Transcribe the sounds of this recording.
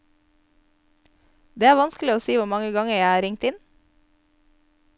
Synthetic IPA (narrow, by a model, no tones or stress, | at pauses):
d̪eːæːɾʋɑnskl̩ɪoːsiːʋʊɾmɑŋəɡɑŋəjæɪæːɾɪŋt̪ɪn